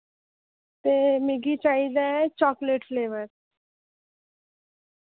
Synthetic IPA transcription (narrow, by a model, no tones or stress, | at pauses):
t̪emɪɡit͡ʃaːid̪aɛt͡ʃɔːkleʈleːʋəɾ